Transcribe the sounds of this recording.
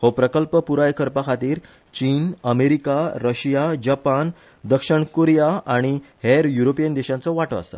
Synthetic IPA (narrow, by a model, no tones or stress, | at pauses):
hopɾəkəlpəpuɾajkəɾpakʰat̪iːɾ | t͡ɕiːnəmeɾikaɾəɕijad͡ʑapan | d̪əkʂəɳkoɾjaaɽ̃iheɾjuɾopijənd̪eɕãnt͡sɔʋaʈə̰a̰sa̰